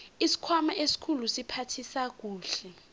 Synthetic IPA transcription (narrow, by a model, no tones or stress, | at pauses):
isi̥kʰwamaʔesi̥kʰulusipʰatʰisak̬uːɬɛ